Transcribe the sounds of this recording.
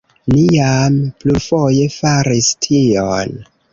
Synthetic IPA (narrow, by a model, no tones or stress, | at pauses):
nijampluɾfo̞je̞faɾistʰion